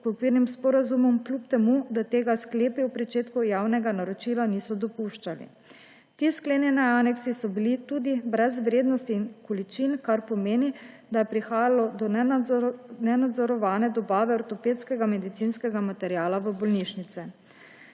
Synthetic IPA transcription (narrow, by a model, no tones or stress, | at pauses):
kɔkʋiɾnimspɔɾazumɔmklʲupt̪ɛmud̪at̪eːɡaskleːpiwpɾɛt͡ʃeːt̪kujaːwnɛɡanaɾɔt͡ʃiːlaniːsɔd̪ɔpuʃt͡ʃalḭ | t̪iːskleːnjɛnɛanɛksisɔbilit̪uːd̪ibɾɛzʋɾeːd̪nɔst̪iːnkɔlit͡ʃinkaɾpɔmeːni | d̪ajɛpɾixaːjalɔd̪ɔn | nɛnad̪zɔɾɔʋaːnɛd̪ɔbaːʋɛɔɾt̪ɔpeːt̪skɛɡamɛd̪it̪sinskɛɡamat̪ɛɾjaːlaʋəbɔlniːʃnit̪sɛ